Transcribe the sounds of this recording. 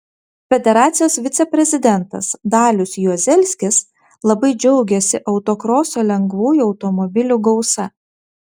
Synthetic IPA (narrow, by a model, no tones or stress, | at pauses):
fʲɛd̪ʲɛɾɑːt̪sʲɪjoːsʋʲɪt̪sʲɛpʲɾʲɛzʲɪd̪ʲɛnt̪ɐ̰sd̪ɑːlʲʊsʲjuzʲɛlʲsʲkʲɪs | lˠɐbɐɪd͡ʒʲɛʊɡʲɛsʲɪʔɐʊt̪okɾoːsʲoːlʲɛŋɡʋuːjuɒʊt̪ɔmɔbʲɪlʲuɡɒʊsɐ